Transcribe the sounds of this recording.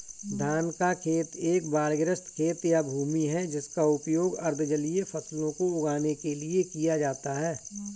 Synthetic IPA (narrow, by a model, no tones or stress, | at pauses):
d̪ʱaːnkakʰeːt̪eːkbaːɾɡɾəst̪kʰeːt̪jabʱuːmiɦɛd͡ʒɪskaʊpjoːɡɐɾd̪ʱd͡ʒɐliefɐslõkoʊɡaːnekeliekijad͡ʒaːt̪aɦɛː